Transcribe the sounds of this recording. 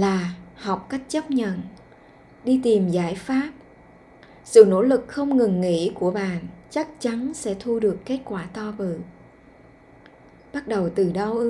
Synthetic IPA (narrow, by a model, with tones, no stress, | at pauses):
laː˨˩hɔ˨˩wk͡p̚ka˦˥jk̟̚t͡ɕə˦˥p̚ɲə̰˧˨n | ɗi˧t̪i˨˩mzaː˧˩jfaː˦˥p̚ | sɨ̰˧˨no̰˧˥lɨ˨˩k̚xə˧wŋ͡mŋɨ˨˩ŋŋḭ˧˥ku˧˩əɓa̰ː˧˨nt͡ɕa˦˥k̚t͡ɕa˨˦nsɛ̰˧˥t̪ʰu˧ɗɨ˨˩əkːe˦˥t̚kwaː˧˩t̪ɔ˧vɨ̰˧˨ | ɓa˦˥t̚ɗə˨˩wt̪ɨ˨˩ɗə˧w